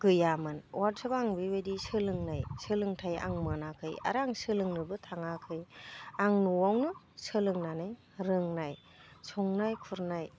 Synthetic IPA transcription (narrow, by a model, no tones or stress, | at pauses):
ɡ̥ɯjamɯnwaɾsʰabaŋbibadisɯlɯŋnajsɯlɯŋtʰaja̰ŋmɯnakʰɯja̰ɾaŋsɯlɯŋnɯbɯtʰaŋakʰɯjaŋnuwawnɯ | sɯlɯŋnanɯj | ɾɯŋnaj | sʰɔŋnajkʰuɾnaj